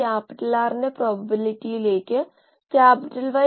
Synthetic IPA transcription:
aːpɪʈəlaːɾnepɾɔːbəbɪlɪʈileːke | kaːpɪʈəlʋa

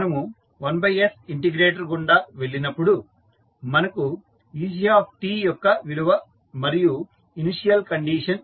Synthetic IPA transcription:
nɐmu | ʋɐnbʱɐjesiɳʈiɡɾeːʈ̬ɐɾɡuɳɖaːʋe̞ɭːinɐpːuɽu | mɐnɐku | iːd͡ʒiaːpʰʈiːjɔkːɐʋiɽuʋɐ | mɐɾiju | iniʂijɐlkɐɳɖiːʂɐn

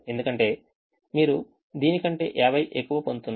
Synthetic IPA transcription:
e̞nd̪ukɐɳʈe̞ː | miːɾu | d̪iːnikɐɳʈe̞̰ːʔɛːʋɐjʔekːuʋɐpond̪ut̪unː

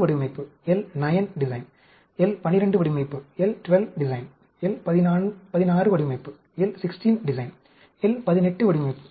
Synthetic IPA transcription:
ʋɐɽɪmɐɪpːɯɛlnɐjɐnɖɪsɐɪn | ɛlpɐnːɪɾɐɳɖɯʋɐɽimɐɪpːɯɛlʈʋɛlʋɖɪsɐɪn | ɛlpɐðɪnaːnpɐðɪnaːrɯʋɐɽɪʋmɐɪpːɯ | ɛlsɪksʈinɖɪsɐɪn | ɛlpɐðɪnɛʈːɯʋɐɽɪʋmɐɪpːɯ̥

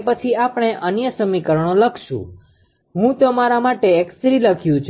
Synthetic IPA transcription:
pət͡ʃʰiapəɳ̃eʔənjəsəmikəɾəɳ̃oləkʰʃṵ̃ | ɦũt̪omaɾamaʈeːksɾiləkʰjũt͡ʃʰ

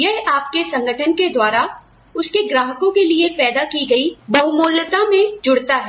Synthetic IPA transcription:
jɛɦaːp̚kesɐ̃ŋɡəʈʰənked̪waːɾa | ʊskeɡɾaːɦəkõkeliepɛːd̪akiɡɐibɐɦʊmoːlət̪amẽd͡ʒʊɽt̪aɦɛː

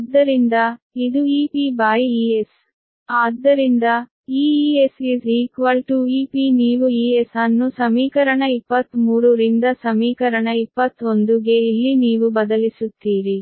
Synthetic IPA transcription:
ɐd̪ːɐɾind̪ɐid̪uiːpibaːjiies | aːd̪ːɐɾind̪ɐ | iːesisiːkʋɐlʈuiːpiːniːʋuiːesɐnːusɐmiːkɐɾɐɳɐipːɐt̪ːmuːɾuɾind̪ɐsɐmiːkɐɾɐɳɐipːɐt̪ːo̞nd̪uɡeilːiniːʋubɐd̪ɐlisut̪ːiːɾi

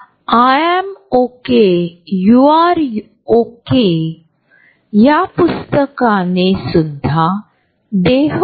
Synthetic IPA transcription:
aɛmokejuaɾj | oke | japust̪əkanesud̪ʱa | d̪eɦ

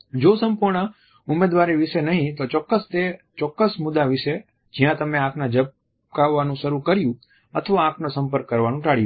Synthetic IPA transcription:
d͡ʒosəmpuɾɳə | ʊmed̪ʋaɾeʋɪʃenəɦĩt̪ot͡ʃɔkːəst̪e | t͡ʃɔkːəsmʊd̪aʋɪʃe | d͡ʒijãt̪əmeãkʰnad͡ʒəp̚ | kaʋːanũʃəɾukəɾjũ | ət̪ʰəʋaãkʰnosəmpəɾkːəɾʋanũʈaɭijũ

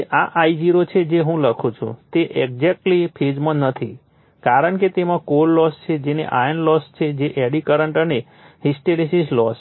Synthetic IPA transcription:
ʔaʔajd͡ʒiɾot͡ʃʰed͡ʒeɦũləkʰũt͡ʃʰṵ̃t̪eʔeɡzɛk̚ʈlipʰed͡ʒmãnət̪ʰi | kaɾəɳket̪emãkoɾlɔst͡ʃʰed͡ʒenḛʔajənlɔst͡ʃʰed͡ʒeʔeɽikəɾəɳʈəne | hisʈelisislɔs

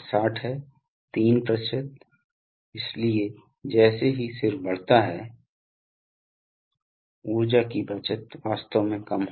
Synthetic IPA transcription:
saːʈʰɦɛː | t̪iːnpɾəʃət̪̚ | ɪslie | d͡ʒɛːseɦisɪɾfbɐɽ̤t̪aɦɛ̰ː | uːɾd͡ʒakibɐt͡ʃət̪ʋaːst̪əʋmẽkɐmɦo

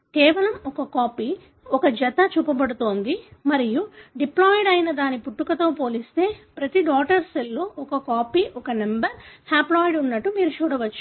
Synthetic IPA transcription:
kɛːʋɐlɐmɔkɐkaːpiː | ɔkɐd͡ʒɛt̪ɐt͡ʃuːpɐbɐɽut̪oːnd̪imɐɾijuɖiplaːjɖɐjnɐd̪aːnipuʈːukɐt̪oːpo̞ːlist̪e̞ːpɾɐt̪iɖaːʈɐɾsɐlːo̞ːʔɔkɐkaːpiːʔɔkɐnembɐɾhaːplaːjɖunːɐʈːumiːɾut͡ʃuːɽɐʋɐt͡ʃː

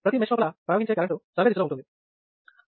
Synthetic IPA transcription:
pɾɐt̪imeʂmɐːpɐlɐpɾɐɐɡɦiɲt͡ʃekɐɾɐɳʈusɐʋed̪it̪ulouɳʈːund̪i

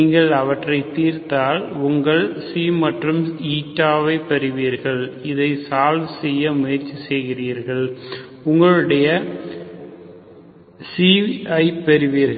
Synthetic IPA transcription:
iːŋɡɐɭɐʋɐʈrɐɪt̪iːɾt̪aːlʊŋɡɐɭsiːmɐʈrɯmiːʈːaːʋɐɪpɛɾɪʋiːɾɣɐɭɪðɐɪsaːlʋɯsɛjːɐmʊjɐɾt͡ʃisɛjɣɪriːɾɣɐɭ | ʊŋɡɐɭɯɽɐjɐ | siɐɪpɛɾɯʋiːɾɣɐ

